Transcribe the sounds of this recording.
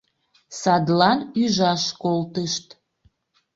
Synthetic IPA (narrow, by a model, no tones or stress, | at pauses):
sɑd̪lɑnyʒɑʃkolt̪əʃt̪